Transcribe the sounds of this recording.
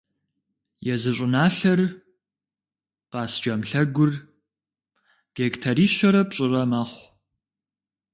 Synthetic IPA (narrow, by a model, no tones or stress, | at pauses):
jɛzɨɕʷʼʊnaːɬɐr | qɑːsd͡ʒɐmɬɐɡʷʊr | ɡ̥ektʰɐɾiːʃɐɾɐpɕʼɪrɐmɐχʷ